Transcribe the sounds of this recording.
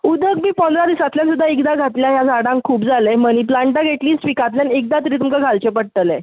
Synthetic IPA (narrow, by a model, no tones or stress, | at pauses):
ud̪ʱəkmiːpə̃nd̪ʱɾad̪isat̪ljansud̪ʱːaikd̪aɡʱat̪ljajad͡zaɽãŋkkʰuːpd͡zʱaleməñiplaɳʈaɡʱeʈliːsʋikat̪̬ljanek̚d̪at̪̬ɾiːt̪umkaɡʱalt͡ɕepəɽt̪əle